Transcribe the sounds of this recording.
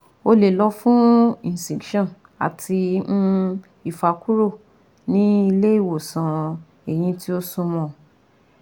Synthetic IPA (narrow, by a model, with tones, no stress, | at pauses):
o˧le˨lɔ˧˦fũ˦ĩ˨sĩ˨kʃɔ̃˦˨n | a̰˨tʰi˧m̩˦ | i˨fa˨ku˦ɾo˦˨ | nĩ˦i˧le˦i˦˨wo˨sã˨ | e˨j̃ĩ˧tʰi˦o˦sũ˧mɔ̃˧˨